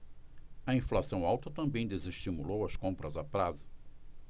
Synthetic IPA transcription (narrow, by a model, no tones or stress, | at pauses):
ɐĩflasɐ̃w̃awt̪ɐt̪ɐ̃mbẽj̃d̪ezeʃt͡ʃimulowɐskõmpɾɐzapɾazɐ